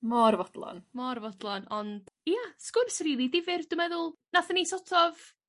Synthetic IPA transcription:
mɔrvɔd̥lˠɔ̰nmɔrvɔdlˠɔnɔnd̥jaskʊnsriːlˠidɪvɪrd̥ʊmɛðʊlˠnaθənisɔtʰɔv

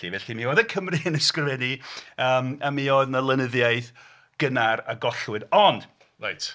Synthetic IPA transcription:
ivɛɬimiwadəkʰəmrɨənɛskrəvɛniəːməmioɨðnəlˠənəðjaɨð | ɡ̥ənaraɡɔɬwɨdɔnd̥ | ra̰jtʰ

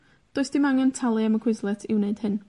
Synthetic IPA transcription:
d̥oːɨsd̥imaŋɛntʰalˠiaməkʰwɪzlˠɛtʰɪwneɨd̥hɨn

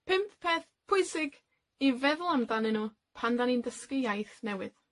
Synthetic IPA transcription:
pʰɪmppʰeːθ | pʰʊɨsɪɡ | ivɛðʊlˠamdanɪnuː | pʰandanindəskɪjajθnɛwɪð

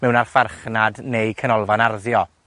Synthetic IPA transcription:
mɛwnarfarχnadnejkʰənɔlˠvanarðjɔ

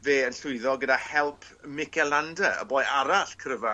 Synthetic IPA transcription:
veːənɬʊɨðɔɡədahɛlˠpʰmɪkʰɛlˠandəə̰bɔːjaɾaɬkʰrəva

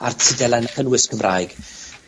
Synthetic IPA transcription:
artʰɪdɛlˠajnaχənwɪskʰəmrʔaːjɡ̥

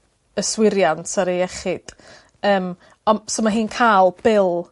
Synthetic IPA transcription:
əswɪɾjantʰaɾeɛχɪd̥ | əːm | ɔnsomaɦiːnkʰaːlˠb̥ɪlˠ

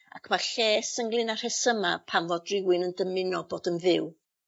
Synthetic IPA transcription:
a̰kʰmaɬɛːsəŋɡlˠɨnar̥hɛsəmapʰanvɔdrɪwɨnəndəmɪnɔboːdənðɪw

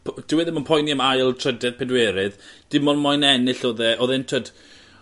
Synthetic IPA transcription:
pʰd̥ɪwɛðəmənpʰɔjniəmajlˠtʰrədɛd̚pʰɛdwɛːɾɨðd̥ɪmɔnmɔjnɛnɨɬoːðɛʔoːðɪntʰəd̥

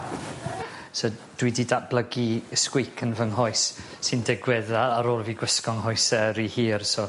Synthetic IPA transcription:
sɔd̥wɪdidab̥lˠəɡiskwɪjkʰənvəŋɦɔɨsː | ɪndɪɡwɛðaaɾoːlˠviːɡwəskɔŋɦɔɨsɛɾihiːrso

